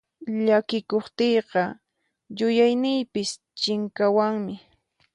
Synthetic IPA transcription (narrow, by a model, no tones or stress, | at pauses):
ʎakɪkoχt̪ejqɑ | jʊjajnɪjpɪs | t͡ʃɪŋkawaŋmɪ